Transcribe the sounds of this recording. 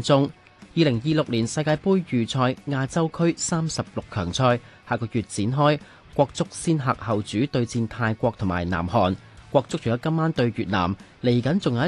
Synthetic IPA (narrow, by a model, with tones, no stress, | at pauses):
t͡sʊ˥ŋ | jiː˨lɪ˨˩ŋjiː˧lʊ˨k̚liː˨˩nsɐ˧jkaː˧jpuː˥jːyː˨t͡sʰɔː˧jŋaː˧t͡sɐ˥wkʰɵ˥ɥsaː˥msɐ˨p̚lʊ˨kʰːœː˨˩ŋt͡sʰɔː˧jhaː˨˩kɔː˧jyː˨t̚t͡siː˨˥nɦɔː˥j | kʷɔː˧k̚t͡sʊ˥k̚siː˥nɦa̰ː˨k̚hɐ˨˩wt͡syː˨˥t̪ɵ˧ɥt͡siː˧nt̪ʰaː˧jkʷɔː˧k̚t̪ʰʊ˨˩maː˨˩jna̰ː˨˩mhɔː˨˩n | kʷɔː˧k̚t͡sʊ˥k̚t͡ʃʰːjɔː˨˧kɐ˥mːaː˥nt̪ɵ˧ɥjyː˨t̚na̰ː˨˩m | le˨˩jkɐ˨˦nt͡sʊ˨ŋaː˧˦˥